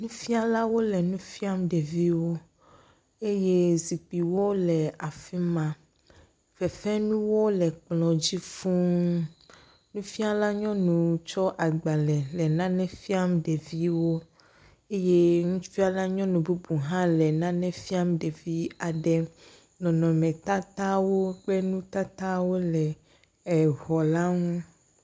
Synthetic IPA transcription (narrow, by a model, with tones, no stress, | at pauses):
nũ˦fi˦a˨la˦wo˦lɛ˨nũ˦fi˦a˦mɖe˨vi˦wo˦ | e˦je˦zi˨k͡pi˨wo˦lɛ˨a˨fi˦mã˨ | fɛ˨fɛ˦nũ˦wo˦lɛ˨k͡plɔ̃˨d͡ʑi˦fũ˦ | nũ˦fi˦a˦la˦ɲɔ̃˦nũ˨t͡ʃɔ˦ʔa˨ɡ͡ba˨lɛ˨lɛ˨nã˦nɛ̃˦fi˦a˦mɖe˨vi˦wo˦ | e˦je˦ŋũ˦fi˦a˦la˦ɲɔ̃˦nũ˨bu˦bu˨ɦã˦lɛ˨nã˦nɛ̃˦fi˦a˦mɖe˨vi˦a˨ɖɛ˦ | nɔ̃˨nɔ̃˨mɛ̃˨t̪a˦t̪a˦wo˦k͡pɛ˦nũ˦t̪a˦t̪a˦wo˦lɛ˨ | ɛ˨ɣɔ˨la˦ŋũ˦